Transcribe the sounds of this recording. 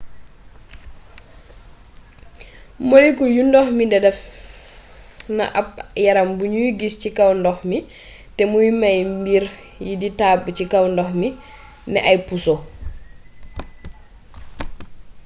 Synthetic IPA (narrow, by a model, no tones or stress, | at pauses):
molikɔjundɔhmidɛdɛf | na̰ʔap̚jaɾambuɲuɡiscikawndɔxmi | tɛmujimajmbiɾ | jiditaːbːcikawndɔhmi | nɛ̰ʔajpuso